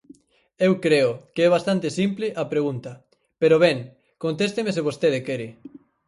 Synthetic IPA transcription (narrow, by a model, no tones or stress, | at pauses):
ewkɾeokeɛβ̞ast̪ant̪ɪsimplɪʔapɾeɣunt̪ɐ | peɾoβɛŋ | kont̪est̪emesɪβ̞ost̪eðɪkɛɾɪ